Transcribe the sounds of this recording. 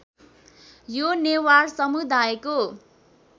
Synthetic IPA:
jonewarsʌmud̪ajko

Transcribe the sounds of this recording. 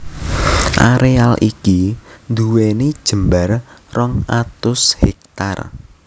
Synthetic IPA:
ʔaɾealʔḭkind̪uwenid̥ʒ̥əmbarrɔŋʔat̪ʊshɛ̰k̚t̪a̰r

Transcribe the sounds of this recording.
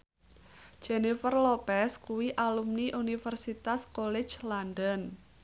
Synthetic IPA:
d͡ʒ̥enifərlopɛskuwiʔalumniʔunifərsit̪askolɛ̥d͡ʒlandən

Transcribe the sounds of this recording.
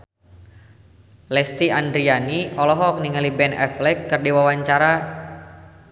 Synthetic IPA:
lɛst̪iandɾianiɔlɔɦɔk̚niŋalibɛnɛ̰flɛkːɨrdiwawaɲt͡ʃaɾa

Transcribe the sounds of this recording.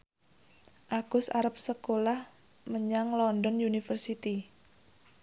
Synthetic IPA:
ʔaɡ̥ʊsa̰ɾap̚səkolah | məɲaŋlɔndɔnjunifərsit̪i

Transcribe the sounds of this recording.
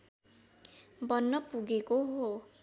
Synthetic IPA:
bʌnːʌpuɡekoɦo

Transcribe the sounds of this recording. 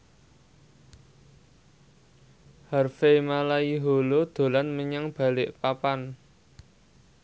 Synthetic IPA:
harfemalaiɦolod̪̥o̤lanməɲaŋb̥a̤lɪʔpapan

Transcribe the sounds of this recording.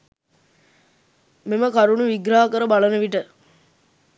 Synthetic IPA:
meməkaɾuɳuʋiɡɾaːɦakəɾəbalənəʋiʈə

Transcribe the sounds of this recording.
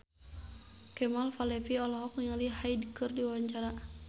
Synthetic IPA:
kɛmalfalɛpiɔlɔɦɔk̚niŋalihajdkərdiwwaɲt͡ʃaɾa

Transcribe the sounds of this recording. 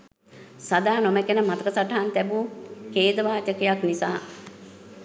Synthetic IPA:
sad̪aːnomekenəmat̪əkəsaʈaɦant̪ɛbukeːd̪əʋaːt͡ʃəkejaknisaː

